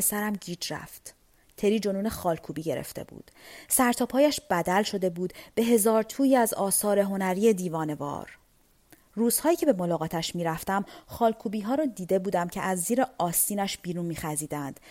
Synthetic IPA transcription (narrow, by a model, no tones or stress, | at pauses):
esæɾæmɟiːd͡ʒɾæ̰ft̪ | t̪ʰe̞ɾiːd͡ʒo̞nuːne̞xɒːlkʰuːbiːɟe̞ɾḛft̪ḛbṵːd̪̥sæɾt̪ʰɒːpʰhɒːjæʃb̥æd̪ælʃo̞d̪e̞buːd̪̥b̥e̞ɦe̞zɒːɾt̪ʰuːjiːæzɒːsɒːɾe̞ɦo̞næɾiːe̞d̪iːvɒːne̞vɒ̰ːɾ | ruːz̥hɒːjiːcʰe̞be̞mo̞lɒːɣɒːt̪ʰæʃmiːɾæft̪æmχɒːlkʰuːbiːɦɒːɾɒːd̪iːd̪e̞buːd̪æmcʰe̞ʔæzːiːɾeɒːsiːnæʃb̥iːɾuːnmiːxæziːd̪ænd̪̥